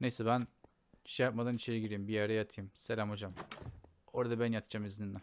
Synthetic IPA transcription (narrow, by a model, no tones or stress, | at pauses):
nejsɛbæn | i̥ʃɛjap̚mad̪anit͡ʃʰeɾiɟiɾejimbijæɾɛjat̪ʰɯjɯmselʲæmo̞d͡ʒam | o̞ɾad̪abænjat̪ʰɯ̥d͡ʒamizninːɛ